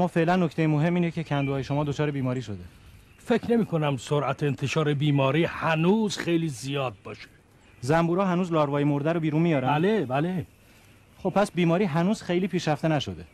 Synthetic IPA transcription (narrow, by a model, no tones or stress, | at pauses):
mːɒːfe̞ʔlænːoct̪ʰejemoɦe̞mːiːnecʰe̞cʰænd̪uɒːjeʃo̞mɒːd̪ot͡ʃʰɒːɾebiːmɒːɾiːʃo̞d̪e̞ | fe̞cʰne̞miːkʰo̞næmsoɾʔæt̪ʰeːnt̪ʰe̞ʃɒːɾe̞biːmɒːɾiːhænuːz̥xejliːzijɒːd̪̚bɒːʃe̥ | zæmbuːɾɒːɦænuːzlɒːɾvɒːjemoɾd̪æɾobiːɾunmijɒːɾæælebæle | χob̚pʰæsbiːmɒːɾiːɦænuːz̥xejliːpʰiːʃɾæft̪enæʃod̪e̞